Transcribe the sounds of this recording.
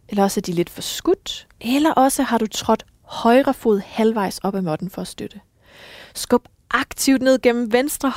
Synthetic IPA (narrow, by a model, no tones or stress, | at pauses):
elɐɒ̽səæɐd̥ile̝d̥fɒ̽sɡ̥ud̥ | ʔelɐʔɒ̽səhɑ̈ɾ̥ut͡sʰʁɒ̽d̥ | hɒ̽ɪʁɐfo̝ð̩ˠhælʋɑ̈ɪ̰sɒ̽b̥æmɒ̽d̥n̩fɒ̽æsd̥ød̥ə | sɡ̥ɔb̥ | ʔɑ̈ɡ̥t͡sʰiʊd̥ne̝ð̞̰ˠɡ̥en̰m̩ʋensd̥ʁɐ